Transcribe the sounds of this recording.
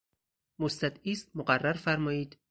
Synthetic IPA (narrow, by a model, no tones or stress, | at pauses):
most̪æd̪iːst̪̚moɢærːæɾfæɾmɒːiːd̪̥